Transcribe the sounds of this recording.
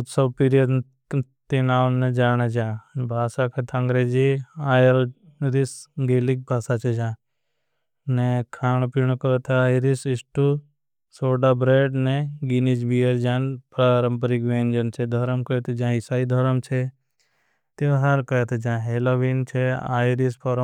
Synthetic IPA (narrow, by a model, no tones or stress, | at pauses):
ut̪sɐbpiɾijəd̪ | t̪enaːwnẽd͡ʒaːned͡ʒãːbʱaːsakʰet̪ʰɐ̃ŋɡɾeːd͡ʒiaːjəlɾisɡeːlik̚bʱaːsat͡ʃʰed͡ʒãː | nekʰaːɳ̃piɳ̃okɐt̪ʰaiɾisisʈu | soːɖabɾeːɖnẽɡinid͡ʒbijəɾd͡ʒaːnpɾaːɾəmpəɾikʋẽːnd͡ʒənt͡ʃʰed̪ʱɐɾəmkɐjt̪ʰed͡ʒãːɦisaːid̪ʱɐɾəmt͡ʃʰe | t̪eɦɐɾkɐjet̪ʰed͡ʒãːɦeːloːʋint͡ʃʰea̰ːɾispʰoɾ